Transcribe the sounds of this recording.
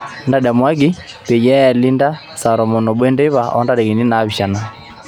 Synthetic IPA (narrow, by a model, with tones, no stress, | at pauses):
nda˨da˨mwa˦ɡi˦ | pe˨jɛ˦˨li˦nda˦ | sa˨ɾɔ˨mɔ˨no˨bwɛ˦nde˦βa˨ʔɔ̰˦nda˨dɛ˨ɣi˨ni˦na˨˦βi˨ʃa˨na˨